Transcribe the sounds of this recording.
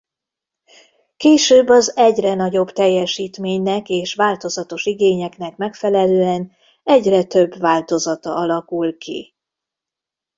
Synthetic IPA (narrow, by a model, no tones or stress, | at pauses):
keːʃøːbːɒzɛɟrɛnɒɟo̞bt̪ɛjːɛʃiːt̪meːɲnɛkeːʃʋaːlt̪o̞zɒt̪o̞ʃiɡeːɲɛknɛkmɛkfɛlɛløːɛn | ɛɟrɛt̪øbvaːlt̪o̞zɒt̪ɒ̰ʔɒlɒkulkḭ